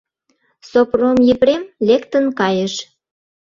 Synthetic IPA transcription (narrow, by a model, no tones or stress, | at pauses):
sopromjepɾemlekt̪ənkɑjəʃ